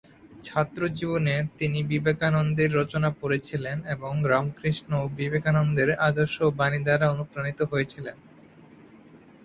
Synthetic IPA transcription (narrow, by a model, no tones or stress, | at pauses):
t͡ɕʰat̪ːɾod͡ʑibonet̪inibibekanond̪iɾːot͡ɕonapoɾet͡ɕʰileneboŋɾamkɾiʃnobibekanond̪eɾad̪oʃobanid̪aɾaonukɾanit̪oɦojet͡ɕʰilen